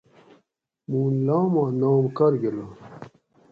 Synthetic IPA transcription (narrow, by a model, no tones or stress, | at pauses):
muːnlaːmãːnoːmkɐɾɡela